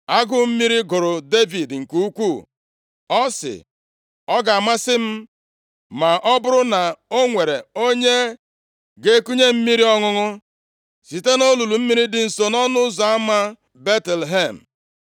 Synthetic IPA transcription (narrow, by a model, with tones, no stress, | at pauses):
a˦ɡʊ˦m̩˦mi˦ɾi˦ɡʊ˨ɾʊ˨de˦vi˨dŋ̩˨ku˦u˦kʷu˦˨ | ɔ˦sɪ̰˨ | ɔ˦ɡa˨a˨ma˦sɪ˦m̩˦ | ma˨ʔɔ˦bʊ˦ɾʊ˦na˨o˦ŋʷe˨ɾe˨o˦ɲe˦ | ɡe˦ku˦ɲe˦m̩˦mi˦ɾi˦ɔ˦ŋʊ˦ŋʊ˦ | si˨te˦no˦lu˨lu˨m̩˦mi˦ɾi˦dɪ˨n̩˨so˨nɔ˦nʊ˦zɔ˨a˦ma˦ | be˦te˨lɦe˦˨m̩˨